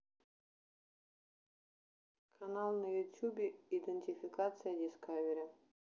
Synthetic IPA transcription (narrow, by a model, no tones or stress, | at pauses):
kʰanalˠnɐjut̪ʲjubʲeid̪enʲt̪ʲifʲikat̪sɨjɐdʲiskʰavʲeɾʲa